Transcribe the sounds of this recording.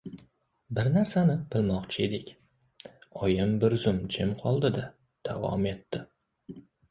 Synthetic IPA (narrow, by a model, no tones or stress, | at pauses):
bɪɾnaɾsanɪb̥ɪlmɒqt͡ʃʰɪe̞d̪ɪkʲ | ɒjɪmbɪɾzʊmd͡ʒɪmqʰɒlˠd̪ɪd̪a | d̪̥avɒ̰me̞t̪ːɪ